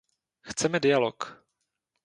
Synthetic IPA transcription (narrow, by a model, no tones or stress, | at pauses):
xt͡sɛmɛdɪjalok